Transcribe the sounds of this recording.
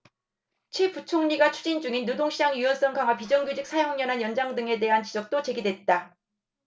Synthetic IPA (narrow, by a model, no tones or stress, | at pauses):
t͡ɕʰweput͡ɕʰoŋɲiɡat͡ɕʰu̥d͡ʑind͡ʑuŋinːodoŋɕʰid͡ʑaŋjuwʌns͈ʌŋɡaŋɦwapid͡ʑʌŋɡjud͡ʑik̚sʰajoɦaŋɲʌnɦanjʌnd͡ʑaŋdɯŋe̞de̞ɦant͡ɕid͡ʑʌk̚t͈ot͡ɕe̞ɡidwe̞t̚t͈a